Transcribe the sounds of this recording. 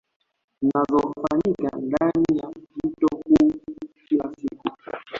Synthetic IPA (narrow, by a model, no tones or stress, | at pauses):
inazɔfaɲika̰ndanijav̩tɔhuːkilasiku